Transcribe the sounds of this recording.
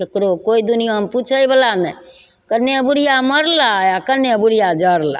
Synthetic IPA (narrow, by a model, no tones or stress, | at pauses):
kekɾokoːid̪unijamput͡ʃʰəibəlanə | kənːebuɾijaməɾlajakənebuɾijad͡ʒəɾla̰